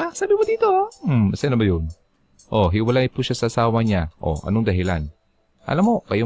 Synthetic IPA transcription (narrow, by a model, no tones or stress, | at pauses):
ʔasaːbɪmod̪iːt̪om̩mɐsajnɐbɐjʊn | ʔo̞ɦɪwɐlajpʊʃasɐʔasaːwɐɲaʔo̰ʔɐ̰noŋd̪ɐɦɪlan | ʔɐ̰lamo̞kɐjo